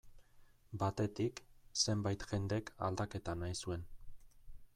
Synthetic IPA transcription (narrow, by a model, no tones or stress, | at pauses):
bat̪e̞t̪ikse̞mbajt̪xe̞nd̪eka̰ld̪ake̞t̪anajsue̞n